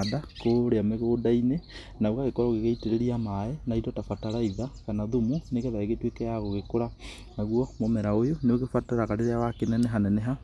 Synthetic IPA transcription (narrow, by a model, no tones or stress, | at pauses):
adakoɾeameɣoːdaine | nauɣaɣekoɾaɣeɣeiteɾeɾiamaɛnaidɔtafataɾaiðakanaðumuneɣɛðaeɣetwekɛjaɣoɣekoɾa | naɣwɔmɔmɛɾaojoneoɣefataɾaɣaɾeɾeawakenɛnɛɦanɛnɛɦa